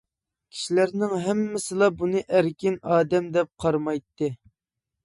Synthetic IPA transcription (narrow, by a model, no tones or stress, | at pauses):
kʲʰi̥ʃilæɾnɪŋɦæmːɪsɨlˠɑbunɨʔæɾkʲɪnɑːd̪ɛmd̪ɛp̚qʰɑɾmɑjt̪ːɨ